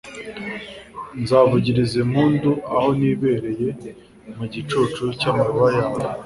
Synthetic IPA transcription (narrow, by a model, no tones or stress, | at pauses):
nzaːvuɟiɾizemuːnduaho̞niːβe̞ɾe̞je̞ | muɟit͡ʃut͡ʃucaːmaɾuβajaːwe